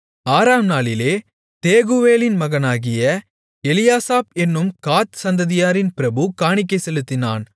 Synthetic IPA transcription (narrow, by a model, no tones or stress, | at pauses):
aːɾaːmnaːlɪleː | t̪eːɣuʋeːlɪnmɐɣɐnaːɣɪjɐ | ɛlɪjaːsaːpɛnːɯmkaːt̪sɐnd̪ɐðɪjaːɾɪnpɪɾɐbɯkaːɳɪk̬ːɐɪsɛlɯt̪ːɪna̰ːn